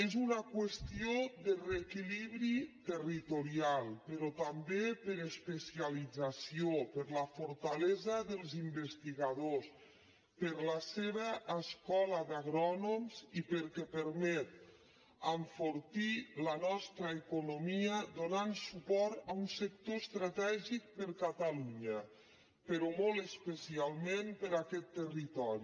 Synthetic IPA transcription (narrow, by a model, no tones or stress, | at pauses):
ezunakwəst̪iod̪ərekiliβɾit̪ərit̪oɾialˠpəɾɔt̪ambepəɾespesialid͡zasiopəɾləfuɾt̪alezəðəlˠzimbəst̪iɣaðos | pəɾləseβəʔːskɔləd̪aɣɾɔnomzipəɾkɛpəɾmɛt̪̚ | əɱfoɾt̪ilənɔst̪ɾəekunomiəd̪onansupɔɾt̪əunsək̚t̪ost̪ɾat̪ɛʒik̚pəɾkat̪aluɲə | pəɾɔmolˠt̪əspəsialˠmempəɾakɛt̪ːərit̪ɔɾi